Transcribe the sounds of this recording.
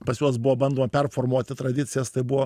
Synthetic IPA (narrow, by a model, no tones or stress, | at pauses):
pɐsjuɔsbʊʋobɐnd̪oːmɐpʲɛrfoːrmuɔt̪ʲɪt̪ɾɐd̪ʲɪt̪sʲɪjɛst̪ɐɪbʊʋoː